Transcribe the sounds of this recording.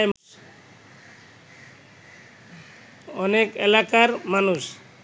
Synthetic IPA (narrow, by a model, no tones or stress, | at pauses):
jm | ɔnekelakaɾmanus